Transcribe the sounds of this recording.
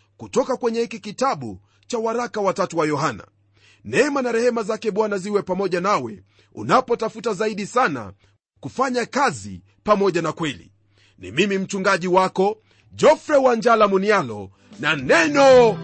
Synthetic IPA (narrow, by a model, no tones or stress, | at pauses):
kutɔkakwɛɲɛhikikitaɓṵ | t͡ʃawaɾakawatatuwajɔhana̰ | nɛmanaɾɛhɛmazakɛɓwanaziwɛpamɔʄanawɛ | ṵnapɔtafutazaiɗisana̰ | kufaɲakazḭ | pamɔʄanakwɛlḭ | nḭmimim̩t͡ʃuŋɡaʄiwakɔ | d͡ʒɔfɾɛwaɲd͡ʒalamunialɔ̰ | nanɛnɔ